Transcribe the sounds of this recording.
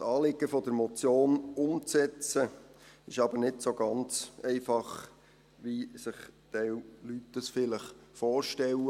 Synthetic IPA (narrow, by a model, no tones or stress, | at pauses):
sɑːlɪɡ̥əfɔd̥̪əɾmɔt͡sjoːnʊmt͡sɛt͡səɪʃɑbəɾnɪtsoɡɑnt͡sɛɪfɑχ | ʋisɪχt̪ɛwlytdəsfɪləχfɔːɾʃtɛwə